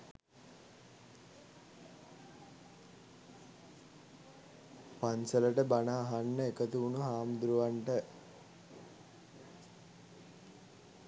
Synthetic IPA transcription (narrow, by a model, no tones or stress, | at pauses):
pansələʈəbanaːɦanːəekət̪uunuɦaːmd̪ɾuʋaɳʈə